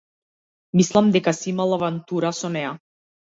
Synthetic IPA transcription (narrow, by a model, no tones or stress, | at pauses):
mislˠamd̪ɛkasiimalˠavant̪uɾasɔnɛja